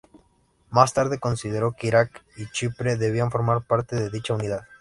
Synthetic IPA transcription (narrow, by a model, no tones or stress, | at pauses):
mast̪aɾð̞e̞ko̞nsið̞eɾo̞keiɾakit͡ʃipɾeðe̞β̞iaɱfo̞ɾmaɾpaɾt̪eðeðit͡ʃaunið̞að